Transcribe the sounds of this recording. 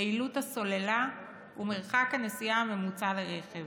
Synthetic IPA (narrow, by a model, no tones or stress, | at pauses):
iluthaso̞lela | umeʁχakanesijame̞mut͡saleʁeχev